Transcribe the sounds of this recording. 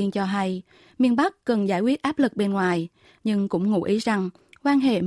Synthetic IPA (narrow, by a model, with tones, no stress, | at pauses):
ənt͡ɕɔ˧ɦa˧j | mi˧ənɓa˦˥k̚ːə˨˩nzaː˧˩jkwi˦˥ət̚ʔaː˦˥p̚lɨ˨˩k̚ɓe˧nŋwaː˨˩j | ɲɨ˧ŋkʊ̰˧˥ŋ͡mŋṵ˧˥ʔi˨˦za˨˩ŋ | kwaː˧nɦḛ˧˨